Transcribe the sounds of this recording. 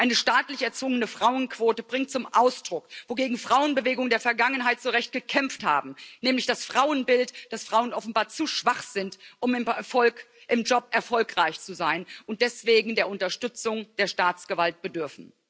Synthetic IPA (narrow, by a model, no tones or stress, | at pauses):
ʔaɪnəʃtaːtlɪçɛɐt͡sv̥ʊŋənəfʁ̥aʊənkv̥oːtəbʁɪŋt̚t͡sʊmʔaʊsd̥ʁʊkvoɡeːɡŋ̩fʁ̥aʊənbəveːɡʊŋdeːɐfɛɐɡaŋənɦaɪtz̥oːʁɛçt̚ɡ̥əkʰɛmftha̰ːbm̩nɛːmlɪçd̥asfʁ̥aʊənbɪltd̥asfʁ̥aʊənʔɔfn̩baːɐt͡suʃv̥aχz̥ɪntʔʊmɔ | ʔɪmd͡ʒɔp̚ʔɛɐfɔlkʁ̥aɪçt͡suzaɪnʊnt̚d̥ɛsv̥eːɡŋ̩deːɐʔʊntɐʃtʏt͡sʊŋd̥eːɐʃtaːt͡sɡ̥əvalt̚b̥ədʏɐfn̩